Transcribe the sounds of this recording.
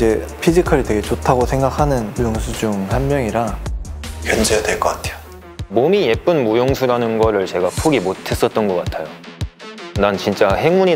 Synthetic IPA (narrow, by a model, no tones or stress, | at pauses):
d͡ʑe̞ | pʰid͡ʑikʰʌɾitwe̞ɡe̞t͡ɕotʰaɡosʰe̞ŋɡakʰanɯnujoŋsʰud͡ʑuŋhanmjʌŋiɾa | kjʌnd͡ʑedweɭk͈ʌk͈ḁtʰejo̥ | momije̞p͈ɯnmojoŋsʰuɾanɯnɡʌɾɯɭt͡ɕe̞ɡapʰuɡimotʰe̞s͈ʌt̚t͈ʌnɡʌk͈atʰajo | nant͡ɕint͡ɕ͈ahe̞ŋmuɲi